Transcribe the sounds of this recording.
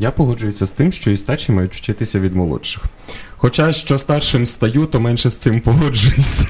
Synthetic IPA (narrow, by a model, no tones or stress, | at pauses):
japɔɦɔd͡ʒʊjʊsʲɐst̪ɪmʃt͡ʃɔist̪ɑt͡ʃʲimɑjʊtʲwt͡ʃɪt̪ɪsʲɐʋʲid̪mɔlˠɔ̰ʃɪx | xɔt͡ʃaʃt͡ʃɔst̪ɑrʃɪmst̪ɐjut̪ɔmɛnʃɛst̪sɪmpɔɦɔd͡ʒʊjesʲɐ̥